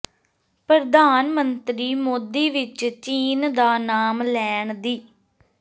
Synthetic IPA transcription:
pɾəd̪aːnmənt̪ɾiːmoːd̪iːʋɪt͡ʃt͡ʃiːnd̪aːnaːmlɛːɳd̪iː

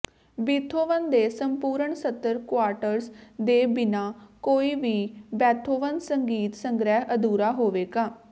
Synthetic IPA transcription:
biːt̪ʰoːʋənd̪eːsəmpuːɾəɳsət̪ːəɾkwaːɾʈəɾsd̪eːbɪnaːkoːiːʋiːbɛːt̪ʰoːʋənsəŋɡiːt̪səŋɡɾɛːɦəd̪uːɾaːɦoːʋeːɡaː

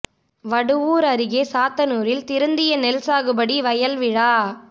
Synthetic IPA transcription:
ʋɐɽɯʋuːɾɐɾɪɣeːsaːt̪ːɐnuːɾɪlt̪ɪɾɯnd̪ɪjɐnɛlsaːɣɯbɐɽiʋɐjɐlʋɪɻaː

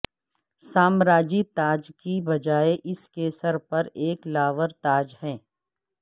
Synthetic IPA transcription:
saːmɾaːd͡ʒit̪aːd͡ʒkibɐd͡ʒaːeʔɪskeːsəɾpɐɾeːklaːʋəɾt̪aːd͡ʒhɛ̃ː

